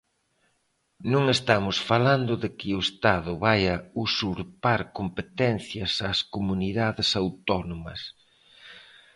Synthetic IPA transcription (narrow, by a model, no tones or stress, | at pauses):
nõŋest̪amʊsfaland̪ʊðɪkɪʊest̪aðʊβajɐusuɾpaɾkompet̪ɛnθjɐsaːskomuniðaðɪsawt̪ɔnomɐ̰s